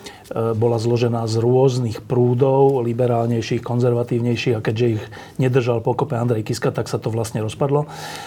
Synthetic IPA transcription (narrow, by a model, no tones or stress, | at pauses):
bɔlazlɔʒɛnaːzɾʊɔznixpɾuːd̪ɔʊlibɛɾaːlɲɛjʃiːxkɔnzɛɾʋat̪iːʊɲɛjʃiːɣakɛɟʒɛiɣ | ɲɛd̪r̩ʒalpɔkɔpɛand̪ɾɛjkiskat̪aksat̪ɔʋlasɲɛɾɔspad̪lɔ